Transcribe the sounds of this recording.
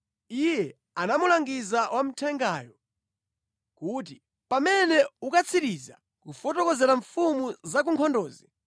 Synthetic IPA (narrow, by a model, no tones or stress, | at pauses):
ijɛ | anamulaŋɡizawʔam̩tʰɛŋɡajɔ | kuːt̬i | pamɛnɛukat͡sʰiɾiza̰ | kufɔtɔkɔzɛɾaɱfumuzak̬uŋkʰɔndɔːzi